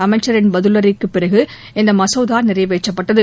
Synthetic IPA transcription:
ɐmɐɪt͡ʃːɐɾɪnbɐðɯlɐɾɪkːɯpːɪrɐɣɯ | ɛnd̪ɐmɐsɐːðaːnɪɾɐɪʋeːt͡ʃːɐpːɐʈːɐðɯ

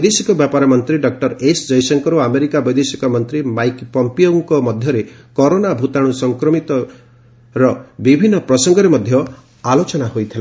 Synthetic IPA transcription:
jd̪esikɔbjapaɾɔmɔnt̪ɾiɖɔk̚ʈɔɾesd͡ʒɔjsɔŋkɔɾuameɾikabɔjd̪esikɔmɔnt̪ɾimajkpɔmpioŋkɔmɔd̪ʱjɔɾekɔɾonabʱut̪aɽ̃usɔŋkɾɔmit̪ɔ | ɾɔbibʱinːɔpɾɔsɔŋɡɔɾemɔd̪ʱjɔ | alot͡ʃɔnahojt̪ʰila

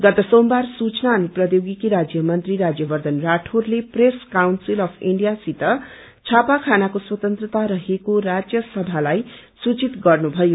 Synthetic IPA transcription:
ɡʌt̪ʌsombarsut͡snaʌniprʌjoɡikiɾad͡zjʌmʌnt̪riɾad͡zjʌbʌrd̪ʌnraʈʰorlepreskawnsilʌpʰiɳɖijasit̪ʌ | t͡sʰapakʰanakoswʌt̪ʌnt̪rʌt̪aɾʌɦekoɾad͡zjʌsʌbʱalajsut͡sit̪ɡʌrnubʱʌjo

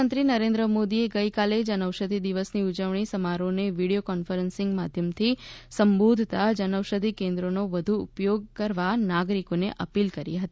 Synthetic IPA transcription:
ənt̪ɾinəɾẽnd̪ɾəmod̪ieɡəjkaled͡ʒənəʋʃəd̪ʱid̪iʋəsniud͡ʒəʋɳ̃isəmaɾoneʋiɽijokɔnfəɾənsɪ̃ŋɡmad̪ʱjəmt̪ʰisəmbod̪ʱt̪ad͡ʒənəʋʃəd̪ʱikẽnd̪ɾonoʋəd̪ʱuʊ̰pjoɡ̚kəɾʋanaɡɾikonḛʔə̰pilkəɾḭɦət̪i

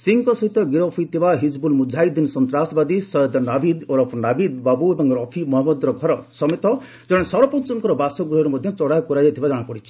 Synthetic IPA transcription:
siŋkɔsɔɦit̪ɔɡiɾɔpʰijt̪ʰibaɦid͡ʒbulmud͡ʒʱajd̪insɔnt̪ɾasbad̪isɔjɔd̪ɔnabʱid̪oɾɔpʰnabid̪babuebɔŋkɾɔpʰimɔɦamɔd̪ɾɔɡʱɔɾɔsɔmet̪ɔ | d͡ʒɔɽ̃esɔɾɔpɔnt͡ʃɔŋkɔɾɔbasɔɡuɔɾumɔd̪ʱjɔt͡ʃɔɽajkuɾajat̪ʰibad͡ʒaɽ̃apɔɽit͡ʃʰi̥

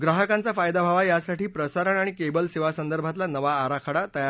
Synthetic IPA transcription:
ɡɾaɦəkant͡safajd̪abʱaʋajasaʈiːpɾəsaɾəɳaɽ̃ikebəlseʋasənd̪əɾbʱat̪lanəʋaːɾakʰəɽat̪əja

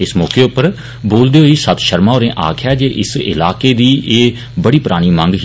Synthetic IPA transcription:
ɪsmɔːkeːʊpːəɾ | boːld̪eːɦoiːsət̪ʃəɾmaːoːɾẽːʔa̰ːkʰjaːd͡ʒeːʔɪsɪ̰laːkeːd̪iːʔeː | bəɽiːpɾaːɽ̃iːmə̃ŋɡɦ

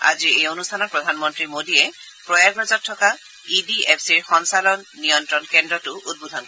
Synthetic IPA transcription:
a̰ziejonustʰanɔt̚pɹɔdʱanmɔntɹimodiɛ | pɹɔjaɡɹɔzɔtʰːɔka | idiɛpʰsiɹxɔnsalɔnːijɔntɹɔnkɛndɹɔtʊud̚budʱɔnkɔ

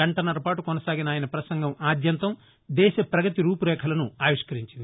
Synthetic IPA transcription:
ɐɳʈɐnɐɾɐpaːʈukɔnɐsaːɡinaːjɐnɐpɾɐsɐŋɡɐmaːd̪jɐnt̪ɐm | d̪ɛːʃɐpɾɐɡɐt̪iɾuːpuɾɛːkʰɐlɐnuaːʋiʂkɐɾiɲt͡ʃind̪

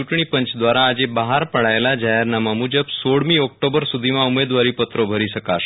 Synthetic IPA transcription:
uʈɳ̃iːpəɲt͡ɕd̪ʋaɾaːd͡ʑebaɦaɾpəɽajlad͡ʑajəɾnamamud͡ʑəbsoɽmiːɔk̚ʈobəɾsud̪ʱimaumed̪ʋaɾiːpət̪ɾobʱəɾiːsəkaɾ

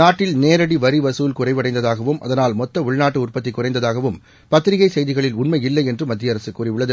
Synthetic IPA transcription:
naːʈːɪlneːɾɐɽiʋɐɾiʋɐsuːlkʊrɐɪʋɐɽɐɪnd̪ɐðaːɣɐʋɯmʔɐ̰ðɐnaːlmɔt̪ːɐʊɭnaːʈːɯʊrpɐt̪ːɪkːʊrɐɪnd̪ɐðaːɣɐʋɯm | pɐt̪ːɪɾɪɣɐɪsɛjðɪɣɐɭɪlʊɳmɐjɪlːɐɪɛndrɯmɐd̪ːɪjɐɾɐsɯkːuːrɪʋʊɭːɐðɯ

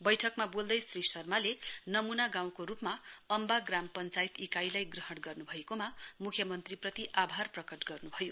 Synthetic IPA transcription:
bʌjʈʰʌkmabold̪ʌjsrisʌrmalenʌmunaɡãw̃koɾupmaʌmbaɡrampʌnt͡sajt̪ikajlajɡrʌɦʌɽɡʌrnubʱʌekomamukʰjʌmʌnt̪riprʌt̪iʔabʱarprʌkʌʈɡʌrnubʱʌjo

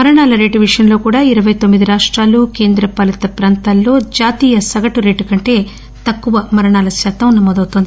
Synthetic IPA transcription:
mɐɾɐɳaːlɐɾe̞ːʈuʋiʂjɐnlo̞ːkuːɽaːiɾɐʋɐjt̪omːid̪iɾaːʂʈɾaːluːke̞ːnd̪ɾɐpɐlɐt̪ɐpɾaːnt̪aːlːo̞ːd͡ʒaːt̪iːjɐsɐɡɐʈuɾe̞ːʈukɐɳʈe̞ː | t̪ɐkːuʋɐmɐɾɐɳaːlɐsjaːt̪ɐmnɐmɔːd̪ɐwt̪ond̪ii

